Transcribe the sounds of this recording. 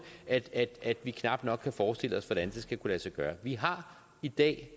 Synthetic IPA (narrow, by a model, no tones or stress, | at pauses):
æd̥æ̥æd̥ʋikʰnɑ̈b̥̚d̥nɒ̽ɡ̥kʰːæfɒːsd̥e̝l̰əɒ̽sʋɒd̥ænd̥e̝sɡ̥ækʰulæsɑɡ̥ɶːɐʋiɦɑ̈ | id̥ɛ̰ː